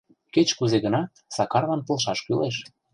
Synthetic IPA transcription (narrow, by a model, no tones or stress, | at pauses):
ket͡ɕkuzeɣə̆nɑ | sɑkɑrβɑnpə̆lˠʃɑʃkyleʃ